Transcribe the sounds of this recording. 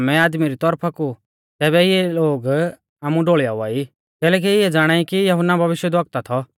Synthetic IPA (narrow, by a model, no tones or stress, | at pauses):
mɛ̃aːd̪miɾit̪ɔɾpʰaku | t̪ɛːβɛɪɛloːɡ | aːmũɖoːɭja̰ːua̰ːi | kɛːlɛːk̬iɪɛd͡zaːɽ̃aːikijɐɦʊnːabʱɐʋɪʃjəd̪ʋɐk̚t̪at̪ʰɔ